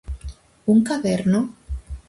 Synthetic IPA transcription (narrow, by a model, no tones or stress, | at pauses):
uŋkaβeɾno